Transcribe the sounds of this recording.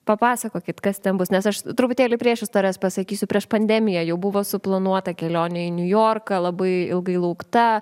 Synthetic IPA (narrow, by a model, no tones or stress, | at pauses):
pɐpɑːsɐkoːkʲɪt̪kɐst̪ʲɛnbʊsnʲɛsɐʃt̪ɾʊpʊt̪ʲeːlʲɪpʲɾʲiɛʃɪst̪oːɾʲɛspɐsɐkʲiːsʲʊpʲɾʲiɛʃpɐnʲd̪ʲɛmʲɪjɛjɛʊbʊʋoːsʊplˠɐnuɔt̪ɐkʲɛlʲoːnʲɛɪnʲʊjoːrkɐlˠɐbɐɪɪlˠɡɐɪlˠɐʊkt̪ɐ